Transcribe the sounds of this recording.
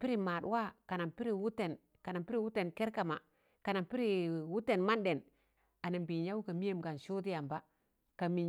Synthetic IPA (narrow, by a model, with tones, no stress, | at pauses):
pi˦ɾi˨ma˨ɗwa˦ka˨na˨mpi˦ɾi˦˨wu˦te˨n | ka˨na˨mpi˦ɾi˦wu˦te˨nke˦ɾka˨ma̰˨ | ka˨na˨mpi˦ɾi˨wu˦te˨nma˦nde˨n | a˨na˨mbi˨ɲa˦wu˦ka˨mi˦je˦mɡa˨nʃu˦ti˦ja˨mba˦ | ka˨mi˨ɲ